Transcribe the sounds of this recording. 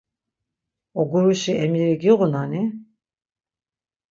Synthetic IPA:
ɔɡuɾuʃiʔɛmiɾiɡiʁunani

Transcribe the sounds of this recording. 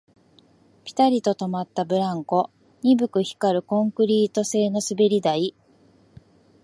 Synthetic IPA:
pʲi̥t̪aɾʲit̪o̞t̪o̞mat̪ːabɯ̟ɾãŋko̞ | ɲ̟ibɯ̟kɯ̟çi̥kaɾɯ̟kõ̞ŋkɯ̟ɾʲiːt̪o̞se̞ːno̞sɨbe̞ɾʲid̪ai

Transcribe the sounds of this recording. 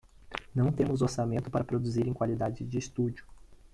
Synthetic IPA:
nɐ̃w̃t̪ẽmʊzoɾsamẽnt̪ʊ̥paɾɐpɾod̪uziɾẽkwalid̪ad͡ʒɪd͡ʒɪːst̪ud͡ʒʊ

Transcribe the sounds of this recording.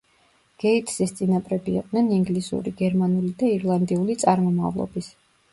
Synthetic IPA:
ɡ̥ɛit̪ʰʼsist̪sʼinapʼɾɛbḭːqʼd̪nɛniŋɡlisṵɾiɡɛɾmanulid̪aiɾlˠand̪iulit̪sʼaɾmɔma̰vlˠɔ̰bis

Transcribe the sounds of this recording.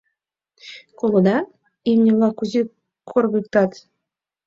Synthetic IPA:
kolˠŏd̪ɑ | imnʲelˠɑkuzi | kʰorɣɯk̚t̪ɑt̪

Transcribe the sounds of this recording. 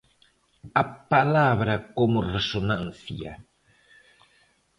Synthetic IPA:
apalaβɾɐkomʊresonãnθja̰

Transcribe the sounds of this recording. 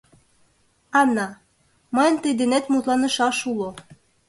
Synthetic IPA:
ɑnːɑ | məjənt̪əjd̪enet̪mut̪lɑnə̆ʃɑʃulo

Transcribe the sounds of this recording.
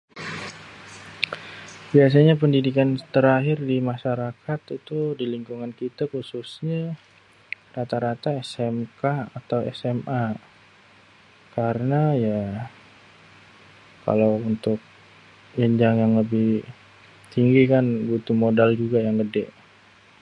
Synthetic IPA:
bias̬aɲapəndidikant̪əɾaɦɪrdimaʃaɾakat̪it̪udiliŋkuŋankit̪akususɲa | rat̪aɾat̪aɛsɛmkaat̪awɛ̰sɛma | kaɾənaja | ka̰lawunt̪ʊk̚ | jəɲd͡ʒaŋjaŋləbɪh | t̪iŋɡikanbut̪umodald͡ʒuɡajaŋɡədɛʔ

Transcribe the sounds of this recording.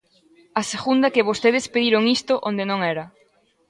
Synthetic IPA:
ɐseɣund̪ɐkɪβost̪eðespeðiɾoŋist̪ʊʔond̪enõŋɛɾɐ

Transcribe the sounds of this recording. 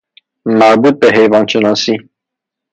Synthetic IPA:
mɑɾbut̪̚pɛɦɛjvɑnt͡ʃʰənɑsi

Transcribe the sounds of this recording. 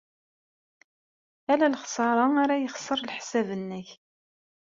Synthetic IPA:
ælælχsˤɑɾˤɑaɾajəχsˤəɾˤlħsævənːəç

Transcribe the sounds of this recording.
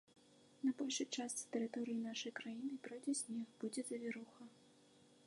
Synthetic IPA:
nɐbɔlʲʂɨt͡ʂast̪t̪ɛɾɨt̪ɔɾɨjinaʂɐjkɾajinɨpɾɔjd͡zʲɛsʲnʲɛxbud͡zʲɛzɐvʲɛɾuxɐ

